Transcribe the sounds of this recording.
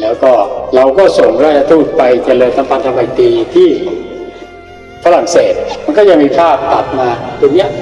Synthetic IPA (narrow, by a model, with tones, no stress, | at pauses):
lɛː˦˥wkɔː˥˩ɾa˧wkɔː˥˩so˨˩ŋɾaː˥˩t͡ɕa˧t̪ʰuː˥˩t̪̚pa˧jt͡ɕa˧lɤː˧nt̪ʰa˧˦mpʰa˧nt̪a˧ma˧jt̪iː˧t̪ʰiː˥˩ | fʰa˧ɾa˨˩ŋseː˨˩t̪̚ma˧nkɔː˥˩t͡ɕa˧ŋmiː˧pʰaː˥˩p̚k̪a˨˩p̪̚maː˧t̪i˧nːi˦˥ɐ